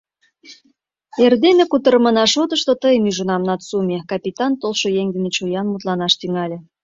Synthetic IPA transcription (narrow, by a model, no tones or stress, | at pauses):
erd̪emekut̪əɾəmənɑʃot̪əʃt̪ot̪əjəmyʒunɑmnɑt̪sumʲekɑpʲit̪ɑnt̪olʃojeŋd̪ənet͡ɕujɑnmut̪lɑnɑʃt̪yŋɑlʲĕ